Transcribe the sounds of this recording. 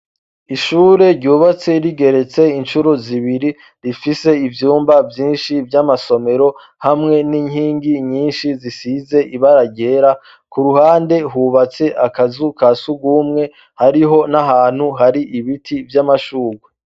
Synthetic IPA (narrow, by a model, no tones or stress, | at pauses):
iʃuːɾe̞ɾɟuːβat͡se̞ɾiɡe̞ɾe̞t͡se̞inʃuɾoziβiɾi | ɾifise̞ivjuːmbavjiːnʃivjamaso̞me̞ɾo̞ | hamŋe̞niɲhiːŋɡiɲiːnʃizisize̞ʔiβaɾaɟe̞ɾa | kuɾuhaːnde̞ɦuβat͡se̞ʔakazukasuɡumŋe̞ | haɾiɦo̞naɦaːn̥huɦaɾiʔiβitʰivjamaʃuːɡwe